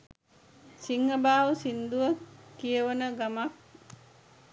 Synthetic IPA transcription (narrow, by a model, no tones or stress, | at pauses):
siŋːəbaːʋusind̪uʋəkijəʋənəɡamak̚